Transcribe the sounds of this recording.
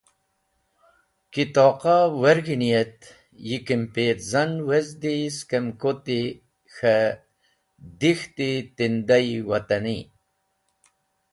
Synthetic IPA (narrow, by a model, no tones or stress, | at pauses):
kit̪oːqaweɾɡinijet̪ | jikimpeːt̪zɐnwezd̪iskemkot̪i | xɐ | d̪ixt̪it̪ind̪aiwɐt̪ɐni